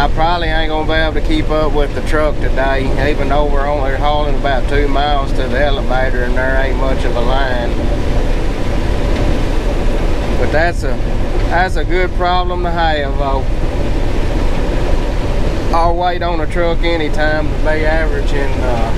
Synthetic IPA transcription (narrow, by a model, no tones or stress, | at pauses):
ãɪpʰɹ̥ɑbəbliãɪ̃nɡõnəbiebl̩ˠtʰɨkʰipʌpwɪðɨtʰɹ̥ʌk̚tɨdeɪivɨ̃nðoʊwəɹõʊ̃nliɦoʊlˠɪ̃ŋəbaʊtʰʉmaɪlˠz̥tʰɨðiɛlˠəveɪɾə˞ɨ̃nðə˞eɪmʌt͡ʃʌvəlãɪ̃n | b̥ʌt̪̚ðætsɨðætsɨɡʊd̚pʰɹ̥ɑblə̃mtəɦeɪəvoʊ | aweɪɾn̩ðɨtʰɹ̥ʌkɛñitʰãɪ̃mtʰəpeɪævə˞ɨd͡ʒɪ̃nʌ